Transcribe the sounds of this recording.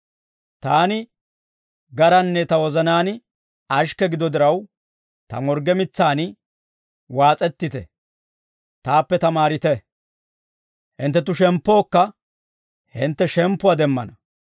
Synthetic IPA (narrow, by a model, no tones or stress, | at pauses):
t̪aːnɪ | ɡɐɾɐnːɛt̪ɐwɔzɐnaːnɪ | ɐʃkɛɡɪd̪ɔd̪ɪɾɐw | t̪ɐ̰mɔɾɡɛmɪt͡sːaːnɪ | waːt͡sʼɛt̪ːɪt̪ɛ̰ | t̪aːpːɛt̪ɐmaːɾɪt̪ɛ | hɪ̰nt̪ːɛt̪̬ʊʃɛmpːo̞ːkːɐ | hɪnt̪ːɛʃɛmpːʊad̪ɛmːɐ̰nɐ